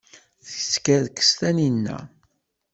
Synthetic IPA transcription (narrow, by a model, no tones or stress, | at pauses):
θiskæðkːə̥st̪æninːæ̰